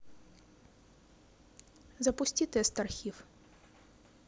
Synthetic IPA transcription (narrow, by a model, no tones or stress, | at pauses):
zɐpʊsʲtʲit̪ɛst̪ɐrxʲif